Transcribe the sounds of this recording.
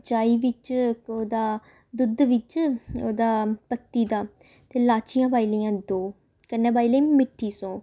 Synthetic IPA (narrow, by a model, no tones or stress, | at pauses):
t͡ʃaːiːʋɪt͡ʃoːd̪aː | d̪ʊd̪ʋɪt͡ʃoːd̪aːpət̪ːiːd̪aː | t̪eːlaːt͡ʃijãːpaːiːləːãːd̪oː | kənẽːbaːiːleːmɪʈʰːiːsõː